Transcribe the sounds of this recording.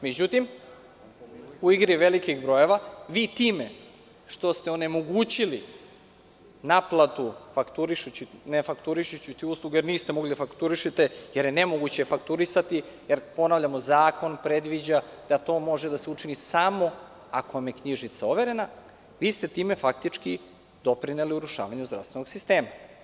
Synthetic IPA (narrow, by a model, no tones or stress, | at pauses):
med͡ʑut̪im | uiɡɾiʋelikiɣbɾo̞je̞ʋaʋiːt̪iːme̞ | ʃt̪o̞st̪e̞one̞mo̞ɡuːt͡ɕili | naplˠat̪ufakt̪uɾiʃut͡ɕinefakt̪uɾiʃut͡ɕit̪iuːslˠuɡejeɾniːst̪e̞moɡlid̪afakt̪uɾiʃit̪ejeɾjenemoɡut͡ɕefakt̪uɾisat̪ijeɾpo̞naʋʎamo̞zaːko̞npɾe̞d̪ʋid͡ʑad̪̥at̪o̞ːmo̞ʒed̪aseut͡ʂinisamo̞ | ako̞ʋamje̞kɲiʒit̪saoʋeɾe̞na | ʋiːst̪e̞t̪iːmefak̚t̪it͡ʂki | d̪o̞pɾineliuɾuʃa̰ːʋaɲuzd̪ɾa̰st̪ʋe̞no̥sist̪e̞ːma